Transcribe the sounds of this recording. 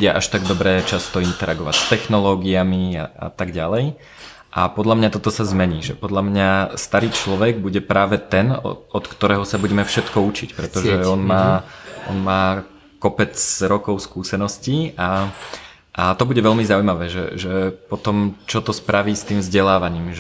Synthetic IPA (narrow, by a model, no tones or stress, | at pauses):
ɟɪɛʔaʃt̪aɡd̪ɔbɾɛːt͡ʃast̪ɔint̪ɛɾaɡɔʋa̰cst̪ɛxnɔlɔːɡiamia̰a̰t̪aɡɟalɛj | ʔapɔd̪ʎamɲat̪ɔt̪ɔsazmɛɲiːʒɛpɔd̪ʎamɲast̪aɾiːt͡ʃlɔʋɛɡbuɟɛpɾaːʋɛt̪ɛn̰ɔt̪kt̪ɔɾɛːɦɔsabuɟɛmɛfʃɛt̪kɔut͡ʃicpɾɛt̪ɔʒɛɔnmaːʔɔ̰nmaː | kɔpɛt͡sɾɔkɔʊskuːsɛnɔscia | ʔat̪ɔbuɟɛʋɛʎmizaujmaʋɛːʒɛ̰ʒɛpɔt̪ɔmt͡ʃɔt̪ɔspɾaʋiːst̪iːmvzɟɛlaːʋaɲiːmʒ